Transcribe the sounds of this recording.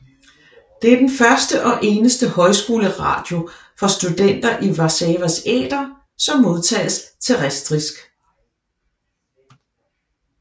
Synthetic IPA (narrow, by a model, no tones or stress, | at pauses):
d̥e̝æɐd̥enfɶɐsd̥əʔɒ̽ʔe̝ːnəsd̥əhɒ̽ɪsɡ̥o̝ːləʁɑ̰̈d̥jo̝ | fɒ̽sd̥ud̥en̰d̥ɐʔiʋɑ̈sɛːʋæsḛːd̥ɐ | sɒ̽mːo̝ð̞ˠt͡sʰɛ̰ːst͡sʰe̝ʁɛsd̥ʁisɡ̥